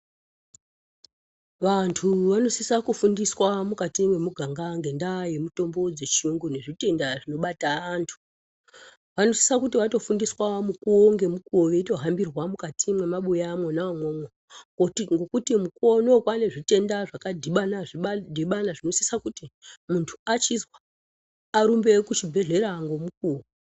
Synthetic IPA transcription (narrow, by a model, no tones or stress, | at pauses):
ʋantʰuʋano̞sisakufundiswamukatimwe̞muɡʱaŋɡaŋɡe̞ndaje̞muto̞mbo̞d͡zet͡ʃiuŋɡune̞ʐite̞ndaʐino̞ɓataantʰu̥ | ʋano̞si̥sakutiʋato̞fundiswamukuoŋɡe̞mukuoʋe̞ito̞ɦambirwamukatʰimwe̞maɓujamwonaamwomo | kotiŋɡo̞kutimuko̞no̞kwane̞ʐite̞ndaʐakadʱiɓanaʐiɓdʱiɓanaʐino̞sisakutimuntʰu̥at͡ʃizwa | aɾumbe̞kut͡ʃibʱe̞ɮe̞ɾaŋɡo̞mukuːwo